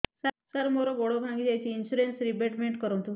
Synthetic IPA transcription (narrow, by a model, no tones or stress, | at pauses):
sasaɾmoɾoɡoɽobʱãŋɡid͡ʒajt͡ʃʰiːnsuɾensɾipeʈmeɳʈkəɾõnt̪u